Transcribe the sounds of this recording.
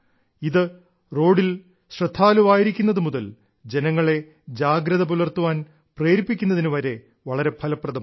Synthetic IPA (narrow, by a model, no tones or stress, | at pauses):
iðɨ | ro̞ːɽil | ɕrɐd̪ʱʰːaːluʋaːjiɾikʲːunːɐðɨmuðɐl | d͡ʑe̞nɐŋːɐɭe̞ | d͡ʑaːɡɾɐðɐp̬ulɐrt̪uʋaːn | preːɾipːikʲːunːɐðinuʋɐɾe̞ | ʋɐɭɐɾe̞pʰɐlɐprɐðɐm